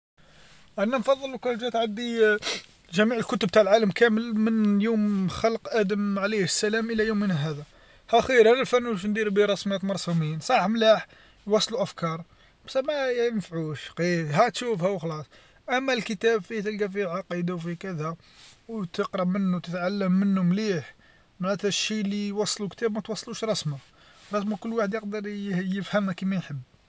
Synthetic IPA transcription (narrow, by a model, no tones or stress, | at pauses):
ʔænænfɑðˤːəlkʊʒæt̪ʕad̪ːi | ʒæmiʕəlkʊt̪əb̚t̪aʕlʕaləmkæməlmənjumxɑləqʔæd̪əmʕlisːælæmʔəlːæjumːənæɦæd̪æ | hæxiəɾhænælfænːuʃ̬nd̪iɾbiɾˤɑsmæt̪mɑɾˤsuminsˤɑħmlaħ | jwɑsˤluʔæfkɑɾˤ | bsæmæənfʕuʃqiɦæt̪ʃufhæwxlɑsˤ | ʔæmːælkət̪æbfit̪əlkæfiʕɑqid̪awfikəd̪æ | wt̪əqɾˤɑbmənːut̪ət̪ʕalːəmːənːʊmliħ | maʕæt̪æʃːilijwɑsˤːlukt̪æbmæt̪wɑsˤːluʃɾˤɑsma | ɾˤɑsmakʊlːwaħəd̪jəq̚d̪əɾˤjəfhəmːækimæjħəbː